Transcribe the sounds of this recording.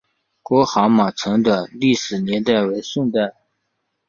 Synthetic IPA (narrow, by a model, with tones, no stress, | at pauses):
kwɔ˧˥xɑ˧˥ma˨˩t͡sʰɤ˧˥ŋd̪ə˧li˥˩ʂɻ̩˨˩njɛ˧˥nt̪a˥˩ɪwe˧˥ɪʂə˥˧nt̪a˥˩ɪ